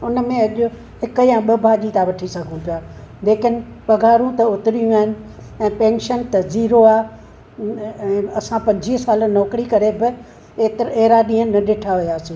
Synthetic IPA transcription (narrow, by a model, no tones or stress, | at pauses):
ʊnəmẽɐʄʊ | hɪkəjãɓɐbʱaːʄit̪aʋɐʈʰisɐɡʱũpijaːleːkɪnɪ̆ | pɐɡʱaːɾũt̪ɐʊt̪ɪɾijũaːɦɪnɪ̆ | ɛ̃ːpẽːnʃənt̪ɐziːɾoaː | ɛ̃ːɐsãpɐ̃ɲd͡ʑiːɦsaːlənɔːkɾikɐɾebɪ | eːt̪ɾeːɾaɗĩːənnɐɗɪːʈʰaɦʊjaːsĩː